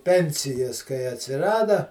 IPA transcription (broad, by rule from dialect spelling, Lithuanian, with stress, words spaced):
ˈpʲɛnʲsʲɪjɛs kɐɪ ɐtʲsʲɪˈrɑːdɐ